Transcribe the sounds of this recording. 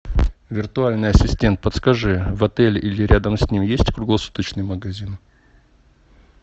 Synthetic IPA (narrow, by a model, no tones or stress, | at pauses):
vʲɪrt̪ʊalʲnɨjɐsʲɪsʲtʲe̞nt̪̚pət̪skɐʐɨvɐt̪ɛlʲilʲɪɾʲad̪əmsʲnʲimjesʲtʲkɾʊɡlˠɐsu̥t̪ət͡ɕnɨjməɡɐzʲin